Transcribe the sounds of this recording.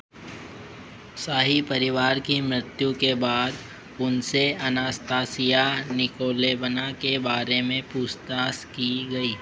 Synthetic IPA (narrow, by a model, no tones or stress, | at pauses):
saːɦipɐɾɪʋaːɾkimɾɪt̪jukebaːd̪ | ʊnseɐnaːst̪aːsijanɪkoːlebənakebaːɾemẽpuːst̪aːskiɡɐiː